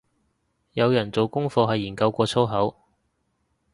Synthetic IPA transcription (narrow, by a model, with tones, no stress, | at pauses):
jɐ˨˧wjɐ˨˩nt͡so˨wkʊ˥ŋfɔː˧ɦɐ˨jːiː˨˩kɐ˧wkʷɔː˧t͡sʰo˥wɦɐ˨˥w